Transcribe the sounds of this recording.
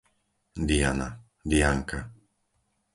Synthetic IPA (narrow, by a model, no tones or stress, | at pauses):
d̪ia̰na | d̪iaŋka